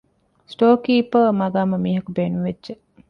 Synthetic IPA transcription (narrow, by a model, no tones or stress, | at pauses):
sʈoːkiːpəmɐɡaːmɐmiːɦɐkubeːnuʋedʒe